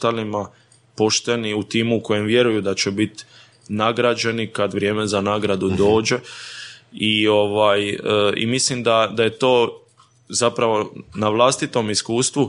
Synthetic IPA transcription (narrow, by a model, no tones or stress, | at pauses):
t̪alima | po̞ʃt̪e̞niut̪iːmuko̞je̞mʋje̞ɾujud̪at͡ɕe̞bit̪ | naɡɾad͡ʒe̞nikad̪ʋɾje̞ːme̞zanaːɡɾad̪ud̪o̞ːd͡ʒe̞ | io̞ʋaːjəḭmislimd̪ad̪aje̞t̪o̞ː | zapɾaʋo̞naʋlˠaːst̪it̪o̞miskuːst̪ʋu